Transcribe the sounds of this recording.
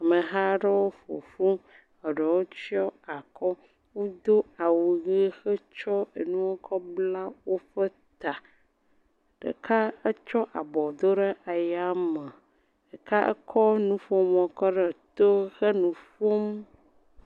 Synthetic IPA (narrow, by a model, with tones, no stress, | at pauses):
a˨mə˨ɦa˦ɖə˦wo˦fo̰˨fu˦ | ə˨ɖə˨wo˦t͡ɕi˦ɔ˦a˨kʰɔ˦ | wo˦d̪o˦a˨wu˨ɣi˦xə˦t͡ʃɔ˦e˨nũ˦wo˦kʰɔ˦bla˦wo˦ɸə˦ | t̪a˨ | ɖ̥ə̰˨kʰa˦ə˦t͡ʃɔ˦ʔa̰˨bɔ˨d̪o˦ɖə˦ʔa˨ja˦mə˨ | ɖə˨ka˦ʔə̰˦kʰɔ˦nũ˦fo˦mɔ̃˨kɔ˦ɖə˨t̪o˦xə˦nũ˨fo˦m